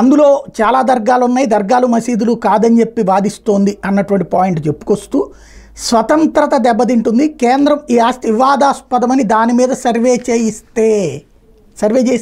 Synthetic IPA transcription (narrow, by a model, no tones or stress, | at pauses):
ɐnd̪ulo̞ːt͡ʃaːlaːd̪ɐɾɡaːlunːaːjid̪ɐɾɡaːlumɐsiːd̪ulukaːd̪ɐnt͡ʃe̞pːibaːd̪ist̪o̞ːnd̪iɐnːɐʈuʋɐɳʈ̬ipaːjiɳʈt͡ʃe̞pːu̥kost̪uː | sʋɐt̪ɐnt̪ɾɐt̪ɐd̪ɛbːɐt̪̬iɳʈund̪ikeːnd̪ɾɐmiːaːst̪iiʋaːd̪aːspɐd̪ɐmɐnid̪aːnimiːd̪ɐsɐɾʋe̞ːt͡ʃeːjist̪e̞ː | sɐɾʋeːt͡ʃeːjis